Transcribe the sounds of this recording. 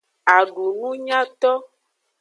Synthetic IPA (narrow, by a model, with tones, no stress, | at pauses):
a˨ɖu˨nũ˦ɲã˦t̪ɔ˦